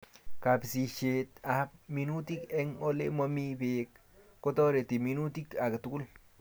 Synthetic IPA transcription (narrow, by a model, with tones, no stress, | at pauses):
ka˨psi˨t͡ʃe˨t̪a˦p̚mi˨nu˦t̪i˦ke˦ŋo˦lḛ˦mo˦mi˦be˨k̚ | ko˦to˦ɾe˨ti˨mi˦nu˦ti˦ka˨ke˨tu˦ku˦l